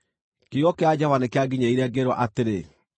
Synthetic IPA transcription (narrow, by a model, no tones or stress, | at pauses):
kejɔkead͡ʑavanekeaɡiɲeiɾɛɡeɾwɔʔateɾe